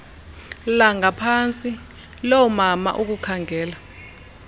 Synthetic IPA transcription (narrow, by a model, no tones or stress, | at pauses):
laŋapʰant͡sʼi | lɔwɔmama̰ʔuk̬ukʰaŋʱɛːla